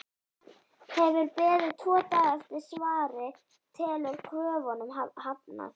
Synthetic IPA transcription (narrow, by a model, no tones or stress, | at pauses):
hɛvʏɾpɛːðʏt̪ʰɔːt̪aðɛft̪ɪɾ̥svaːɾɪ | t̪ʰɛːlʏɾkʰvœːvɔnʏmhapna̰θ